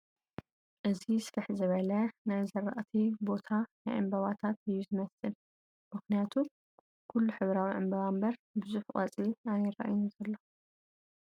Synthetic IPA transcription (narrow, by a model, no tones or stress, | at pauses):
ʔɨzisɾɨħzɨβɐlɐnajzɐɾːa̰ʔt̪ʰibo̞t̪ʰanajʕɨ̰mbɐβat̪ʰat̪ɨjːuzɨmɐsɨl | mɨxnijat̪ʰu | kʰulːuħɨβɾawiʕɨ̰mbɐβambɐɾbɨzuħkʼa̰t͡sʼiʔaniɾa̰ʔjnuzɐlːo